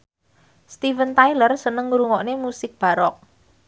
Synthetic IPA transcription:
st̪ivənt̪ajlərsənəŋɾuŋɔʔnemusɪk̚b̥a̤ɾɔk̚

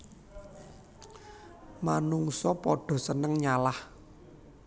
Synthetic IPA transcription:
manuŋsɔpɔɖ̥ɔ̤sənəŋɲalah

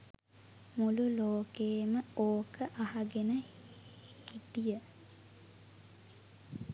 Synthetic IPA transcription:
mululoːkeːməoːkʰəʔaɦaɡenə | hit̪ijə

